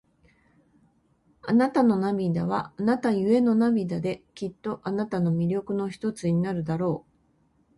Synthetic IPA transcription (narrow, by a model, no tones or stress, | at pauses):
anat̪ano̞namʲid̪aβ̞anat̪ajɯ̟e̞no̞namʲid̪ad̪e̞kʲit̪ːo̞ʔanat̪ano̞mʲiɾʲo̞kɯ̟no̞çi̥t̪o̞t͡sɨɲ̟inaɾɯ̟d̪aɾo̞ː